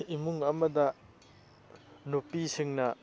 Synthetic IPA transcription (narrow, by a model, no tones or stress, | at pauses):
imuŋɐmɐdɐ | nopisiŋnɐ